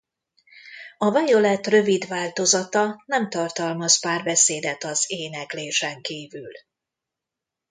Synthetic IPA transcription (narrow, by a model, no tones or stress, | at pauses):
ɒvɛjo̞lɛt̪rø̞vid̪vaːlt̪o̞zɒt̪ɒnɛmt̪ɒrt̪ɒlmɒspaːrbɛseːd̪ɛt̪ɒzeːnɛkleːʃɛŋkiːvyl